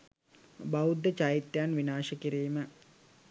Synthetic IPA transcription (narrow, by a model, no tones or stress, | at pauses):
baud̪ːət͡ʃajit̪ːjanʋinaːʃəkiɾiːmə